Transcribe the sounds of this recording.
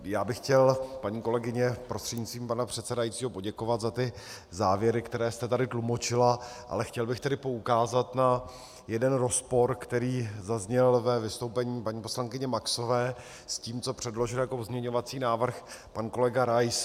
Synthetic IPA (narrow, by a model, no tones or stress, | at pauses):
jaːbɪxcɛlpaɲiːko̞lɛɡɪɲɛpɾost̪r̥ɛdɲɪt͡sviːmpanapr̝̥ɛt̪sɛdajit͡siːɦo̞po̞ɟɛkovat̪zat̪ɪ | zaːvjɛɾɪkt̪ɛɾɛːst̪ɛt̪adɪt̪lumo̞t͡ʃɪlaʔa̰lɛxcɛlbɪxt̪ɛdɪpo̞ukaːzat̪na | jɛdɛnɾo̞spo̞ɾkt̪ɛɾiːzazɲɛlvɛvɪst̪owpɛɲiːpaɲiːpo̞slaŋkɪɲɛmakso̞vɛː | sciːmt͡so̞pr̥ɛdlo̞ʒɪljako̞pozmɲɛɲo̞vat͡siːnaːvr̩xpanko̞lɛɡaɾajs